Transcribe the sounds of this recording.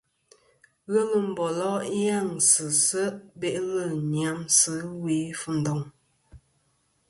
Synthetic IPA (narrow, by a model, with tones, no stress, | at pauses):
ɣə˦lə˦m̩˦˨bɔ˨lɔ˦ja˦˨ŋsə˨sə˦be˦ʔlə˦˨ɲja˨˦msə˦we˨˦fu˦˨n̩˨dɔ˨ŋ